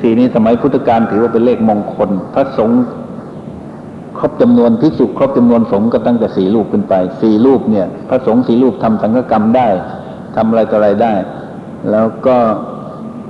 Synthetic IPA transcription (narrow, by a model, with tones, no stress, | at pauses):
siː˨˩niː˧˥˩sa˧ma˨˦jpʰu˦˥˩t̪ʰːa˧kaː˧nt̪ʰɯː˨˦waː˧pe˧nleː˥˩k̚moː˧ŋkʰo˧npʰa˧˥so˩˦ŋ | kʰɾo˦˥˩p̚t͡ɕa˧mnu˧ənt̪ʰi˦˥su˨˩kʰɾo˦˥˩p̚t͡ɕa˧mnu˧ənso˨˩˦ŋkɔː˥˩t̪a˥˩ŋt̪ɛː˨˩siː˨˩luː˥˩p̚kʰɯ˧˥˩npa˧jsiː˨˩luː˥˩p̚ni˧˩ɐpʰa˧˥so˩˦ŋsiː˨˦luː˥˩p̚t̪ʰa˧msa˨˦ŋkʰaː˧˥ka˧mdaː˥˩j | t̪ʰa˧mʔa˧ɾa˧jt̪ʰːɾa˧jdaː˥˩j | lɛː˦˥wkɔː˥˩